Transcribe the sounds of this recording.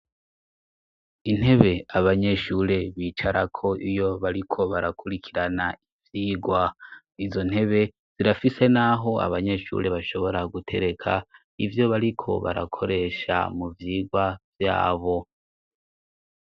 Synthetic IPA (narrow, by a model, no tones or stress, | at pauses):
in̥he̞βe̞aβaɲe̞ʃuːɾe̞βiːt͡ʃaɾakʰo̞ʔijo̞βaɾikʰo̞βaɾakuɾikʰiɾanaivjiːɡwa | izo̞n̥he̞βe̞ | z̥iɾafise̞naɦo̞a̰βaɲe̞ʃṵːɾe̞βaʃo̞βo̞ɾaɡutʰe̞ɾe̞kʰa | ivjo̞βaɾikʰo̞̰βa̰ɾa̰kʰo̞ɾe̞ːʃa̰muvjiːɡwavja̰ːβo̞